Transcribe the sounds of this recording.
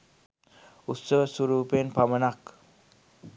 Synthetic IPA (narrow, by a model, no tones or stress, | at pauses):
ut̪səʋəsuɾuːpenpamənak